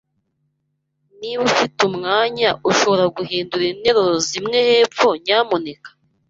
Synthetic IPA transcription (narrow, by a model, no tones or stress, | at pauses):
niβufitumŋaːɲaʔuʃo̞βo̞ɾaɡuɦiːnduɾine̞ɾozimŋe̞he̞ːpp͡fo̞ɲaːmone̞kḁ